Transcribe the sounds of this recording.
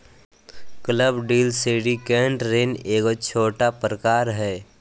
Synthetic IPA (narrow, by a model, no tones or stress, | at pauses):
kləbɖiːlseːɖikɛ̃ːɳʈɾeːneːkot͡ʃʰoːʈapɾəkaːɾɦɛː